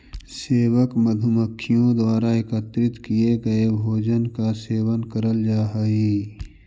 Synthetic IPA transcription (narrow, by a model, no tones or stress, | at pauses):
seːwəkməd̪ʱʊməkʰːijõd̪waːɾaɪkət̪ɾɪt̪kieɡɐebʱoːd͡ʒənkaseːwənkəɾəld͡ʒaːɦəiː